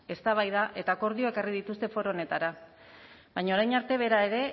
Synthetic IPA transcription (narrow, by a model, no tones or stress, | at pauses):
e̞st̪aβ̞ajðaʔe̞t̪ako̞ɾðio̞e̞karið̞it̪ust̪e̞fo̞ɾoːne̞t̪aɾa | βajɲao̞ɾajnaɾt̪e̞β̞e̞ɾae̞ɾe̞